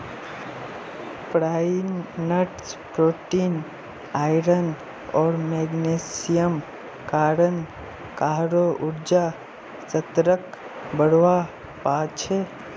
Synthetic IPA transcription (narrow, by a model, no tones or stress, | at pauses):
pɾanːəʈspɾoːʈin | aɪɾən | ɔːɾmeɡnesijəm | kaːɾən | kaɦɾoʔuɾd͡ʒa | sət̪ɾək | bəɽʋa | pat͡ʃʰe